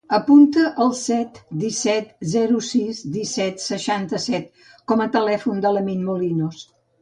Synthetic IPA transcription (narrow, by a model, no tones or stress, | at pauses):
əpunt̪əʔəlˠsɛt̪d̪isɛt̪zɛɾusizd̪isɛt̪səʃant̪əsɛt̪ | kɔmət̪əlɛfund̪ələminmulinus